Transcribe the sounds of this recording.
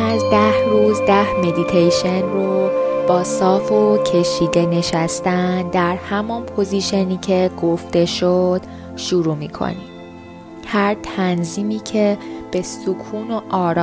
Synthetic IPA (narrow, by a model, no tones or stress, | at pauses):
æzd̪æhɾuːzd̪æhme̞d̪it̪ʰejʃe̞nrob̥ɒːsɒːfocʰe̞ʃiːd̪e̞ne̞ʃæst̪ænd̪æɾhæmɒnpʰo̞ziʃeniːcʰe̞ɡ̥o̞ft̪e̞ʃod̪̥ | ʃuɾuːmiːkʰo̰nim | hæɾt̪ʰænziːmiːcʰe̞b̥e̞sukʰuːno̞ʔɒːɾː